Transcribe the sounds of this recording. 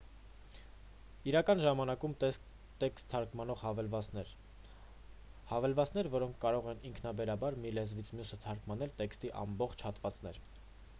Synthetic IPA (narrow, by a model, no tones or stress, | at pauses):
iɾɑkɑnʒɑmɑnɑkumt̪ | t̪ɛkst̪ʰːɑɾkmɑnɔʁhɑvlvɛ | hɑvɛlvɑt͡sn̪ɛɾvɔɾɔŋkʰkɑɾɔʁɛniŋkʰnɑbɛɾɑbɑɾmilɛzvit͡sʰmjusət̪ʰɑɾkmɑnɛlt̪ɛkst̪iʔɑ̰mbɔχt͡ʃʰhɑt̪vɑt͡snɛɾ